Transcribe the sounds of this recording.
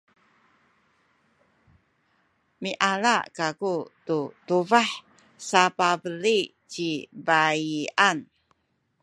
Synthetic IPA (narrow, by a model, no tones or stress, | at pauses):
miʔala̰ʔkakututuvaħ | sapabəli | t͡ʃibaian